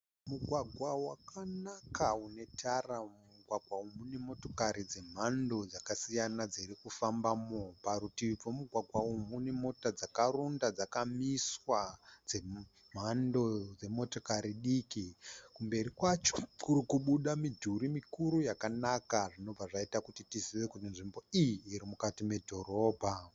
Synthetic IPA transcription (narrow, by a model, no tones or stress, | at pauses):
muɡʱwaɡʱwawakanakaune̞tʰaramuɡʱwaɡʱwaumune̞mo̞to̞kaɾid͡ze̞m̤ando̞d͡zakasijanad͡ziɾikufambamopaɾutib͡vomuɡʱwaɡʱwaumune̞mo̞tad͡zakaɾundad͡zakamiswad͡ze̞ | m̤ando̞d͡ze̞mo̞tokaɾiɗikikumbe̞ɾikwat͡ʃo̥kurikuɓuɗamidʱuɾimikuɾujakanakaʐino̞b͡vaʐaitakutitiziʋe̞kutinʐimbo̞ijiːɾimukatime̞dʱo̞ɾo̞ːbʱa